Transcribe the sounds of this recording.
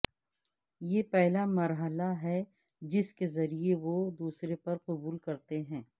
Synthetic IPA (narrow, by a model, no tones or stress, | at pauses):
jeːpɛɦlamɐɾɦəlaɦɛ | d͡ʒɪskezɐɾieʋod̪uːsɾepɐɾqʊbuːlkɐɾt̪eɦɛ̃ː